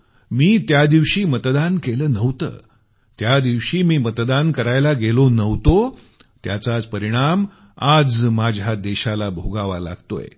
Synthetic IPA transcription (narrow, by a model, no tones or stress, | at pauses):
miːt̪jad̪iʋɕiːmət̪d̪ankeləːnəʋt̪ə̰ː | t̪jad̪iʋɕiːmiːmət̪d̪ankəɾajlaɡelonəʋt̪o | t̪ja̰t͡sat͡spəɾiɽ̃am | ad͡zmad͡ʑʱad̪ɛɕalabʱoɡaʋa̰la̰ɡt̪o̰jḛ